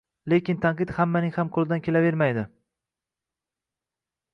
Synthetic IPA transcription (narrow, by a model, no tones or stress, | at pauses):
le̞kʲɪnt̪ʰanqɨt̪hamːanɪŋhamqʰolˠɪd̪ankʲʰe̞lave̞ɾmajd̪ɪ